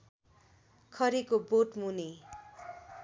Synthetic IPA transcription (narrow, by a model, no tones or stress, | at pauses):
kʰʌɾikoboʈmune